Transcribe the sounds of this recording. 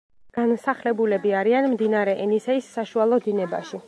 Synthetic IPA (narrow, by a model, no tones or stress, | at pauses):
ɡ̥ansaχlɛbulɛbiaɾianmd̪inaɾɛʔɛnisɛisːaʃualˠɔd̪inɛba̰ʃi